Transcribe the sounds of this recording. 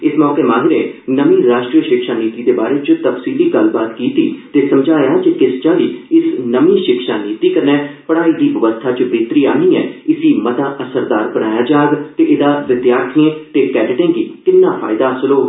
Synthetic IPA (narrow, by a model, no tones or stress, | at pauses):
ɪsmɔːkeːmãːŋɡɾeːnəʋĩːɾaːʃʈɾiːəʃɪkʃaːniːt̪iːd̪eːbaːɾeːt͡ʃət̪əfsiːliːɡəlbaːt̪kiːt̪iːt̪eːsəmd͡ʒʱaːjaːt͡ʃɪkɪst͡ʃãːliːɪsnəʋĩːʃɪkʃaːniːt̪iːkəɾnɛːpəɽ̃aːiːd̪iːʋəʋəst̪ʰaːt͡ʃbeːt̪ɾiːaːnĩːɛːɪsiːmət̪aːʔəsəɾd̪aːɾbəɽaːjaːd͡ʒaːɡt̪eʔɪd̪aːʋɪd̪jaːɾt̪ʰiẽːt̪eːkɛːɖʈẽːɡiːkɪnːaːpʰa̰ːɪd̪aːsəloː